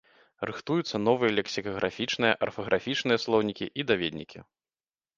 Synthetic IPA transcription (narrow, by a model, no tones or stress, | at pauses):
rɨxt̪ujut̪sːɐnɔvɨjɐlʲɛksʲikɐɣɾʔafʲit͡ʂnɨjɐʔɐrfɐɣɾʔafʲit͡ʂnɨjɐslˠɔwnʲikʲḭʔid̪avʲed̪ʲnʲikʲḭ